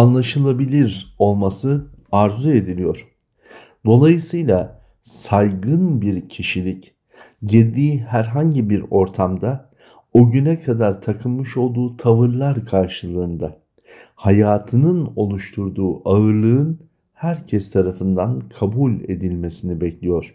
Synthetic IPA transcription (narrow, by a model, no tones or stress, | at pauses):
anlˠaʃɯlˠabilʲiɾo̞lˠmasɯaɾzue̞d̪ilʲijo̞ɾ̝̥ | d̪o̞lˠajɯsɯjlˠa | sajɡɯnbiɾcʰiʃilʲic | ɟiɾd̪iːhæɾɦaɲɟibiɾo̞ɾt̪ʰamd̪a | oɟynɛkʰad̪aɾt̪ʰakʰɯmɯʃo̞lˠd̪uːt̪ʰavɯɾlˠaɾkʰaɾʃɯlˠɯːnd̪a | hajaːt̪ʰɯnɯno̞lˠuʃt̪ʰuɾd̪uːʔaɯɾlˠɯɯn | hæɾcʰɛst̪ʰaɾafɯnd̪ankʰabulʲe̞̰d̪ilʲme̞sinibɛclʲijo̞ɾ̝̥